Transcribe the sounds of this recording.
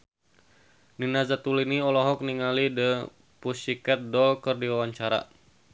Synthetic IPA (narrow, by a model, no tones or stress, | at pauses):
ninazat̪uliniɔlɔɦɔk̚niŋalidə | pusikɛt̪̚dɔlkɨrdiwawaɲt͡ʃaɾa̰